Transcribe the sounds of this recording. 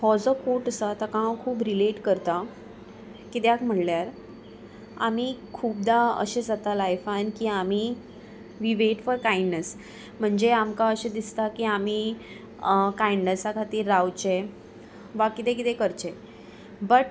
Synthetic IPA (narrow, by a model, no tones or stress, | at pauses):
fɔd͡zəkoʈəsat̪akãkʰuːbɾileʈkəɾt̪a | kit̪eakm̤əɽljaɾ | a̰m̤iːkʰuːbd̪aə̰ɕed͡zat̪alajfankiam̤iː | ʋiʋeʈfɔɾkaiɳɖnəs | m̤əɳd͡ʑeamkaəɕed̪ist̪akiam̤iː | kajɳɖnəsakʰat̪iːɾːawt͡ɕe | ʋakit̪ẽkit̪ekəɾt͡ɕe | bəʈ